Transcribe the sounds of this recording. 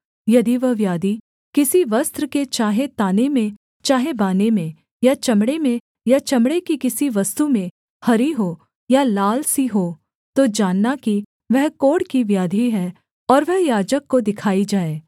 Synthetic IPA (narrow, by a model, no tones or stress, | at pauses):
jɐd̪iʋɐɦʋjaːd̪i | kɪsiʋɐst̪ɾəket͡ʃaːɦet̪aːnemẽ | t͡ʃaːɦebaːnemẽ | jat͡ʃɐmɽemẽ | jat͡ʃɐmɽekikɪsiʋɐst̪umẽ | hɐɾiɦoː | jalaːlsiɦoː | t̪od͡ʒaːnːaki | ʋɛɦkoːɽkiʋjaːd̪ʱiɦɛː | ɔːɾʋɛɦjaːd͡ʒəkːod̪ɪkʰaːid͡ʒaːeː